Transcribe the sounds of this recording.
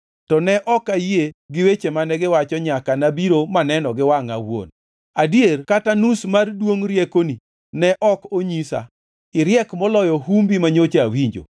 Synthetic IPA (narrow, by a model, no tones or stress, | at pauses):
tɔnɛʔɔkajeɡɪwet͡ʃemanɛɡɪwat͡ʃɔɲakanabiɾomanɛnɔɡɪwaŋawwo̰n | adjerkatanusmardwoŋɾjekoni | nɛʔɔkoɲisa̰ | ɪɾjɛkmɔlɔjɔɦumbimaɲot͡ʃeawiɲd͡ʒo̰